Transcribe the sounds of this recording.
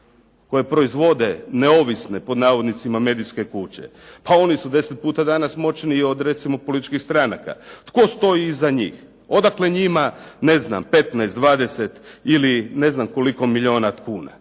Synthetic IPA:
ko̞jepɾo̞izʋo̞d̪e̞neo̞ʋisnepo̞d̪naːʋod̪nit̪simame̞ːd̪iske̞kut͡ɕḛ | pao̞nisud̪e̞set̪̚puːt̪ad̪anasmo̞t͡ʃniːo̞d̪ɾe̞t̪simo̞po̞lit̪i̥t͡ʃkixst̪ɾanaka̰t̪ko̞st̪o̞jiːzaɲḭːx | o̞d̪akle̞ɲimane̞zna̰mpe̞t̪najst̪d̪ʋaːd̪e̞set̪iline̞znamko̞liko̞miʎio̞ːnakuːna̰

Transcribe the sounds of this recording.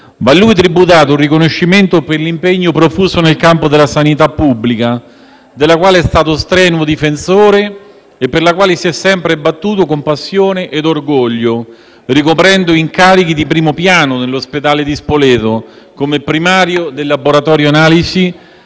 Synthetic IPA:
valːuit̪ɾibut̪̬aːt̪ourːikonoʃːiment̪operlimpeɲːopɾofuːsonelkampod̪elasanit̪apːubːlika | d̪elːakwaːleɛst̪aːt̪ost̪ɾɛːnwod̪ifensoːɾeː | pːerlakwaːlesiɛsːɛmpɾebat̪ːuːt̪okompasːjoːneʔed̪orɡoʎːo | rikopɾɛnd̪oiŋkaːɾik̟id̪ipɾiːmopjaːnonelːosped̪aːled̪ispolɛːt̪o | komepɾimaːɾjod̪elːaboɾat̪ɔːɾjoanaːlisi

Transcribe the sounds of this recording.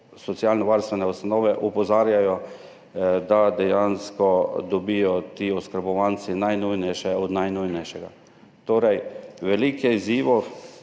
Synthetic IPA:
sɔt̪sialnɔʋaɾst̪ʋɛnɛust̪anɔːʋɛʔupɔzaːɾjajɔ | d̪ad̪ɛjanskɔd̪ɔbijɔt̪iːɔskəɾbɔʋant̪sinajnujnɛjʃɛɔd̪najnujnɛjʃɛɡa̰ | t̪oːɾɛjʋɛlikɛiziːʋɔ

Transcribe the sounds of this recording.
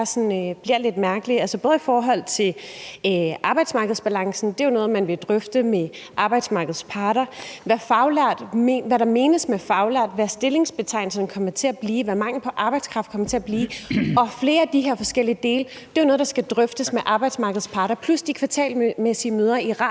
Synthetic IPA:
sɒnøb̥liɐ̰led̥mæɐɡ̥əliælsəb̥ɔ̽ːð̞̩ˠifɒːɦɒ̽l̰t͡sʰe̝l | ʔɑ̈ːb̥ɑɪd̥smɑ̈ːɡəð̞̩ˠsb̥ælɑ̈ŋsn̩d̥e̝jonɔ̽ːð̩ˠmænʋe̝d̥ʁœfd̥əmeʔɑ̈ːb̥ɑ̈ɪd̥smɑ̈ɡ̥əð̞̩ˠspʰɑ̈ːɾɐʋæfɑ̈ʊlæɐ̰d̥mʋæɾɑ̈me̝ːnəsmefɑ̈ʊlæɐ̰d̥ʋæsd̥e̝le̝ŋsb̥e̝t͡sʰɑ̈ɪnl̩sɐn̩kʰɒ̽m̰ɐt͡sʰe̝æb̥liːʋæmɑ̈ŋ̰l̩pʰɒ̽ʔɑ̈b̥ɑ̈ɪd̥skʰʁɑfd̥̚kʰɒ̽mɐt͡sʰe̝æb̥liːɒ̽fle̝ːɐæd̥iɦe̝ɐfɒ̽sɡ̥el̰iəd̥e̝ːlə | d̥e̝joʊnɔ̽ːðˠdɑsɡ̥æd̥ʁœfd̥əsmeʔɑ̈ːb̥ɑ̈ɪd̥smɑ̈ːɡəð̞̩ˠspʰɑ̈ɾ̥ɐpʰlusd̥ikʰʋɑ̈t͡sʰɛ̰ːlmesiəmøːð̞ˠɐiʁɑ̈

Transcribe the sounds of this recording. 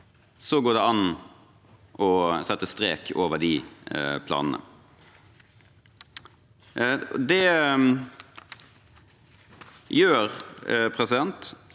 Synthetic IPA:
sɔɡoːd̪ɛɑn | ʔɔsɛt̪ːəst̪ɾeːkʰoːʋəd̪ɪpʰlɑ̰ːnən̩ə̰ | d̪ɛ | jøːɾpʰɾɛsɪd̪ɛnt̪

